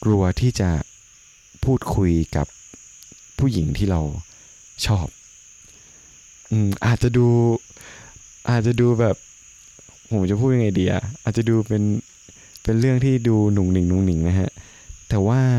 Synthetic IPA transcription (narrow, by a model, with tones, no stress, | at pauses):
kɾu˧ɐt̪ʰiː˥˩t͡ɕa˨˩ | pʰuː˥˩t̪̚kʰu˧jka̰˨˩pʰː | uː˥˩ji˩˦ŋt̪ʰiː˥˩ɾa˧w | t͡ɕʰɔː˥˩p̚ | ʔɯː˧mʔaː˨˩t̪̚t͡ɕa˨˩ʔduː˧ | ʔaː˨˩t̪̚t͡ɕa˨˩duː˧bɛː˨˩p̚ | pʰo˩˦mt͡ɕa˨˩pʰuː˥˩t̪̚ja˧ŋʔa˧jdiː˧ʔʔa̰˨˩ʔʔaː˨˩t̪̚t͡ɕa˨˩duː˧pe˧n | pe˧nɾɯ˥˩əŋt̪ʰiː˥˩duː˧nu˨˩ŋnɯ˨˩˦ŋnu˨˩˦ŋnɯ˨˩˦ŋna˦˥kʰa˦˥ʔ | t̪ɛː˨˩waː˥˩